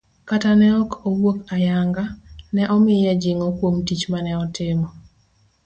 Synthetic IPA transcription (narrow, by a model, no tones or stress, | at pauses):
katanɛɔkowwokajaŋɡanɛʔɔmɪjɛd͡ʒɪŋɔkwomtit͡ʃmanɛɔtɪmɔ